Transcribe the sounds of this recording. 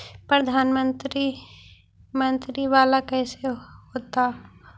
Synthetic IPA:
pɾɐd̪ʱaːnmə̃nt̪ɾi | mə̃nt̪ɾiʋaːlakɛːseɦoːt̪a

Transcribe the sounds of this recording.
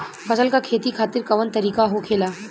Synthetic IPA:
fɐsəlkakʰeːt̪ikʰaːt̪ɪɾkɐʋənt̪ɐɾiːkaɦokʰeːlaː

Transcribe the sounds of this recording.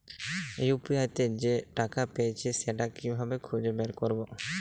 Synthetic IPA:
ejupjajt̪ed͡ʒeʈakapejet͡ʃʰeseʈakibʱabekʰud͡ʒebeɾkoɾbo

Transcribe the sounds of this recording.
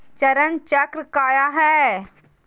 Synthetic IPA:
t͡ʃɐɾənt͡ʃɐkɾkaːjaɦɛː

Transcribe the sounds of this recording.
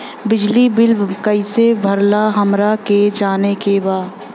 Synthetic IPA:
bɪd͡ʒlibɪlbkəɪsebʱɐɾlaɦɐmɾaked͡ʒaːnekebaːd̪

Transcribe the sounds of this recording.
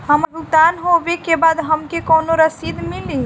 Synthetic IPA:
ɦəmɡut̪anɦobekebad̪ɦəmkekonoɾəsid̪mili

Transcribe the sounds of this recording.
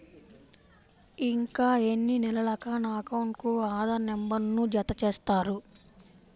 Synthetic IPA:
iŋkaːenːinilɐlɐkanaːkɐwɳʈkuaːd̪ɐnembɐɾnːud͡ʒɐt̪ɐt͡ʃeːst̪aːɾu

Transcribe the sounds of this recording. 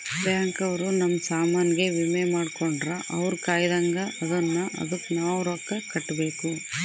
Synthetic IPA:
pɾjaːŋkɐʋɐɾunɐmːɐsaːmaːniɡe̞ʋimemaːɽkoɳɖɾɐʔɐ̰ʋɐɾkaːjd̪ɐŋɡɐʔɐd̪ɐnːɐʔɐ̰d̪ɐkːnaːʋɾokːɐkɐʈːbe̞ːku

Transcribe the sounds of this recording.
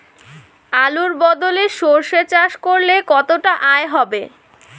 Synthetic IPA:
aluɾbɔd̪oleʃoɾʃet͡ɕaʃkoɾlekɔt̪oʈaʔaeɦɔbe

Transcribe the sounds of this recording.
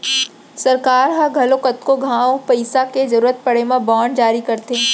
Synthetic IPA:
sɐɾkaːɾɦɐɡʱɐlokɐt̪koɡʱãːõpɐɪsakezɐɾuːɾət̪̚pɐɽemãbaːɳd͡ʒaːɾikɐɾt̪eɛ̃ː

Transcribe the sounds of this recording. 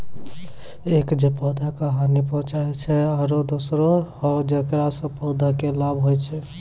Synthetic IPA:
ekd͡ʒepɔd̪akəɦanipɔ̃ɦt͡ʃaɛt͡ʃʰɛaɾod̪osɾoɔd͡ʒekɾasɔ̃pɔd̪akelabʱɦojt͡ʃʰɛ

